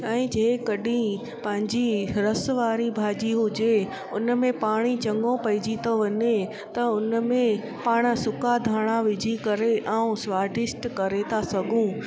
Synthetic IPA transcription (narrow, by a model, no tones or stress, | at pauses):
ɛ̃ːd͡ʑeːkɐɗĩ | pɐ̃ɦɪ̃ɲd͡ʑiɾɐsʋaːɾibʱaːd͡ʑiɦʊd͡ʑe | ʊnmẽpaːɽ̃it͡ɕɐ̃ŋɡõpɐɪd͡ʑit̪oʋɐɲe | t̪ɐʊnmẽ | paːɽ̃sʊkad̪ʱaːɽ̃aʋɪd͡ʑʱikɐɾeʔãːũsʋaːɾɖɪsʈkɐɾet̪ʰasɐɡʱũ